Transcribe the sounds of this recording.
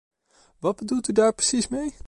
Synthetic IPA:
ʋɑd̚bədulˠtydaːɹprə̥sismej

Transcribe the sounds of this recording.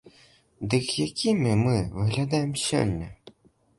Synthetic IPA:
d̪ɨkjakʲimʲimɨvɨɣlʲad̪ajɛmsʲɔ̰lʲnʲːɐ

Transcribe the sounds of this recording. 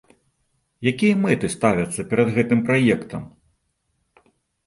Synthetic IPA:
jakʲijɐmɛt̪ɨst̪avʲɐt̪sːɐpʲɛɾɐd̪ɣɛt̪ɨmpɾajɛkt̪ʰɐm

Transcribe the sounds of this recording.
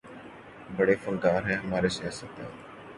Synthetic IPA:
bəɽeːfəŋɡaːɾɦɛːɦəmaːɾesɛːsət̪a̰ː

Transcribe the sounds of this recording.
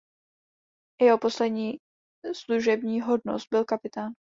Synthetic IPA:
jɛɦo̞po̞slɛdɲiː | sluʒɛbɲiːɦodnost̪̚bɪlkapɪt̪aːn

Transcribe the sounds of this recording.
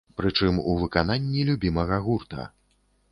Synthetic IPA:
pɾɨt͡ʂɨmuvɨkan̪anʲːilʲubʲimɐɣɐɣurt̪ɐ̰

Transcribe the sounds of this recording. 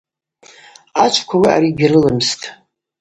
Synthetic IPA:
at͡ʃʷʰkʷʰawiʔa̰ɾiɡʲrɨlɨmstʼ

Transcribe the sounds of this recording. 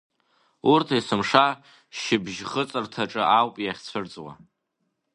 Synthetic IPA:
urtʰesɨmʂa | ʃɪbʒχət͡sʼɨrtʰaʈ͡ʂʼɨʔawpʼjaχʲt͡sʷʰɨrt͡sʼwa̰

